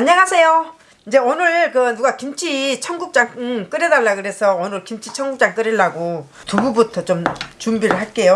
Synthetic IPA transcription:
aɲːaŋasʰe̞jo | ind͡ʑe̞onɯɭkɯnuɡakimt͡ɕʰit͡ɕʰʌŋɡuk̚t͡ɕ͈aŋk͈ɯɾedaɭːakɯɾe̞sʰʌonɯɭkimt͡ɕʰit͡ɕʰʌŋɡuk̚t͡ɕ͈aŋk͈ɯɾeɭːaɡo | tuɡubutʰʌt͡ɕomt͡ɕumbiɾɯɭɦak͈e̞jo

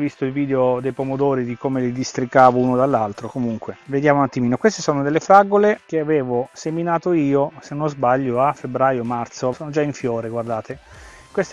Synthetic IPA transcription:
vist̪oilviːd̪eod̪ejpomod̪oːɾid̪ikomelid̪ist̪ɾikːaːvounod̪alːalt̪ɾokomuŋkweved̪jaːmonat̪ːimiːnokwest̪esoːnod̪elːefɾaɡolek̟eaveːvoseminaːt̪oiːosenːozbaʎːoafːebɾaːjomart̪sosoːnod͡ʒaiɱfjoːɾeɡward̪aːt̪e | kwest̪

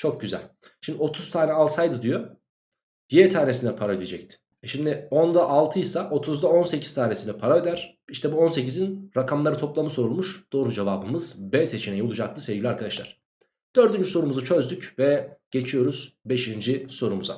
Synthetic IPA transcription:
t͡ʃʰo̞k̚ɟyzæ̰lʲ | ʃimd̪io̞t̪ʰuz̥t̪ʰaːnɛalˠsajd̪ɯd̪ijo | jiɛt̪ʰaːne̞sind̪ɛpʰaɾaød̪ed͡ʒɛc̚t̪ʰɪ̥ | ʃimd̪ɪond̪aʔalˠt̪ʰɯjsaʔo̞t̪ʰuzd̪ao̞nse̞cʰi̥zt̪ʰaːne̞sinɛpʰaɾaød̪æɾ̥iʃt̪ʰɛbuo̞nse̞cizinɾakʰamlˠaɾɯt̪ʰo̞plˠamɯso̞ɾulˠmuʃd̪̥o̞ːɾud͡ʒevaːbɯmɯzbɛse̞t͡ʃʰinɛjiolˠud͡ʒak̚t̪ʰɯsevɟilʲiaɾkad̪aʃlˠaɾ̥ | d̪̥ø̞ɾd̪ynd͡ʒyso̞ɾumuzut͡ʃʰø̞zd̪ycvɛɟ̥e̞t͡ʃʰijo̞ɾuz̥be̞ʃind͡ʒiso̞ɾumuza̰

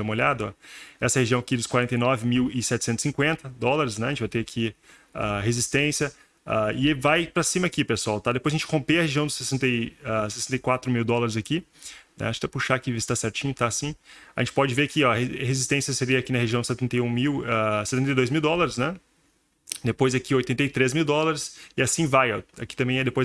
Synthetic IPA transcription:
ɐ̃ũmoʎad̪ɐɔ̰ɛsɐheʒiɐ̃w̃akid̪ʊskwaɾẽnt̪ejnɔvɪmiwɪsɛt͡ʃɪ̥sẽnt̪ʊ̥sĩkwẽnt̪ɐd̪ɔlaɾɪs̬nɛɐʒẽt͡ʃɪvajt̪eakʰi | a̰hezist̪ẽsjɐ | a̰ɪvajpɾɐsĩmɐakipesuawt̪ad̪epojzɐʒẽt͡ʃɪ̥kõpeɐheʒiɐ̃w̃d̪ʊsesẽnt̪ejasesẽnt̪ejkwat̪ɾʊmiwd̪ɔlaɾɪzaki | nɛ̰̃t͡ʃ̪ɛpuʃakɪvist̪asɛɾt͡ʃĩɲʊt̪asĩaʒẽnt͡ʃɪpɔd͡ʒɪveɾakiɔɐhehezist̪ẽsjɐseɾiɐakinɐheʒiɐ̃w̃d̪ʊsɛt̪ẽnt̪ejũmiwase̥t̪ẽt̪ejd̪ojzmiwd̪ɔlaɾɪsnɛ | d̪epojzakiojt̪ẽnt̪ɐjt̪ɾezmiwd̪ɔlaɾɪsɪasĩvajɔ̰a̰kit̪ɐ̃mbẽj̃ɛd̪epoj

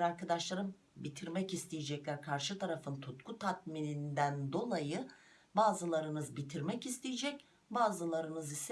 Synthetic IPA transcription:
ɾaɾkʰad̪aʃlˠaɾɯm | bit̪ʰiɾmɛcist̪ʰejɛd͡ʒɛclʲæɾkʰaɾʃɯt̪ʰaɾafɯnt̪ʰut̪kʰut̪ʰat̪̚minind̪ænd̪o̞lˠajɯ | baːzɯlˠaɾɯnɯzbit̪ʰiɾmɛcist̪ʰejed͡ʒɛc | baːzɯlˠaɾɯnɯzis

